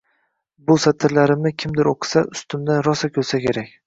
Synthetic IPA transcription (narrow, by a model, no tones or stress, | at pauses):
bʊsat̪ʰɪɾlaɾɪmnɪkʲʰɪmd̪ɪɾoqʰɨ̥saʔʊst̪ɪmd̪anɾɒsakʲʰɵlsakʲʰe̞ɾakʲ